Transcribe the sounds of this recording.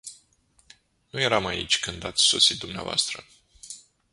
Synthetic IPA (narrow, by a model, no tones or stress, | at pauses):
nuje̞ɾamaḭt͡ʃʲkɨnd̪at̪sʲso̞sit̪̚d̪umnea̰voa̰st̪ɾə